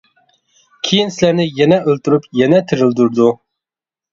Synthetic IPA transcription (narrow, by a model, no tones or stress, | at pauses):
kʲʰejinsɪlæɾnɪjɛnɛʔølt̪yɾypjɛnɛt̪ʰɪɾɪld̪uɾd̪u